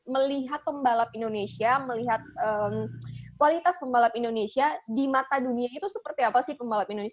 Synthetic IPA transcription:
məliɦat̪̚pəmbalap̚indonesiaməliɦat̪̚ʔəmkwalit̪aspəmbalapindonesiadimat̪aduniait̪usəpərt̪iapasɪhpəmbalapindones

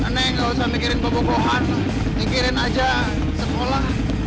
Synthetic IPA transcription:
ənɛkalosamikiɾɪnbəboɡoɦan | mikiɾɪnad͡ʒa | səkola

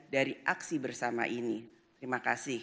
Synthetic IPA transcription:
daɾiʔaksibərsama̰ʔini | t̪əɾimakasɪh

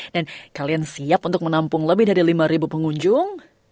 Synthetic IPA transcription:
dankaliansiapunt̪ʊk̚mənampʊŋləbɪhdaɾilimaɾibupəŋuɲd͡ʒʊŋ

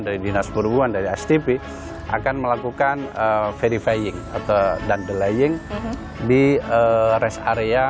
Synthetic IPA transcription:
ndaɾidinaspəɾubuandaɾiat͡ʃt̪ipi | ʔa̰kanməlakukanəfeɾifajɪŋa̰t̪adandəlajɪŋ | diəɾɛsaɾea

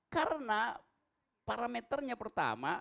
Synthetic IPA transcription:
kaɾəna | paɾamɛt̪ərɲapərt̪a̰ma

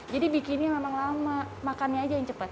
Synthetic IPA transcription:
d͡ʒadibikinɲamemaŋlamma | makanɲaːd͡ʒajaŋt͡ʃəpat̪̚

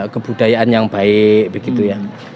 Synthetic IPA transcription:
kəbudajaʔanjaŋbaɪʔ̚bəɡit̪uja

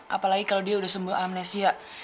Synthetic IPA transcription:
a̰palaɡikalawdiaudahsəmbuaamnasia

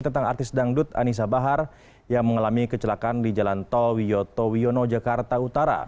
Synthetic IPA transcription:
t̪ənt̪aŋa̰rt̪ɪsdaŋdʊt̪a̰nis̬abaɦar | jaŋməŋalamikət͡ʃəlakandid͡ʒalant̪owijot̪owionod͡ʒakart̪aut̪aɾa̰

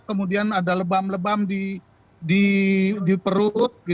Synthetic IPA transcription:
kəmudianadaləbamləbamdi | didipəɾʊt̪̚ɡi

